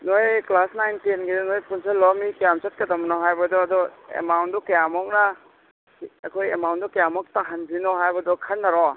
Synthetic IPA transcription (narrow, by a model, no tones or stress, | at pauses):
nojklasnajntinɡednojpʰunsalɔmikajamt͡ʃat̚kɐdɐmnɔɦajbɐdɔːdɔḛmawntdɔkɐjamɔk̚na | ɐkʰojḛmawndɔkajamɔk̚taɦanbinɔɦajbɐdɔkʰɐnːaɾɔ